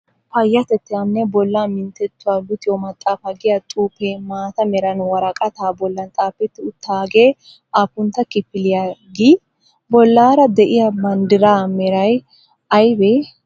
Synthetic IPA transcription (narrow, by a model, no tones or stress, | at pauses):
pɐjːɐt̪ɛt̪ːɪjɐnːɛbɔlːaːmɪnt̪ːɛt̪ːʊwalʊt̪ɪjɔmɐt̪ʼːaːfɐɡɪjat̪ʼuːpːeːmaːt̪ɐmɛɾɐnwɐɾɐkʼɐt̪aːbɔlːɐnt̪ʼaːpːɛt̪ːɪʊt̪ːaːɡeː | aːpːʊnt̪ːɐkɪpːɪlɪjaɡiː | bɔlːaːɾɐd̪ɛʔɪjabɐnd̪ɪɾaːmɛɾɐj | ɐjbeː